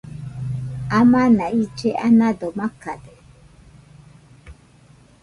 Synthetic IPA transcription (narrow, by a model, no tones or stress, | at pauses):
amanaid͡ʒeʔa̰nadɔmakadɛ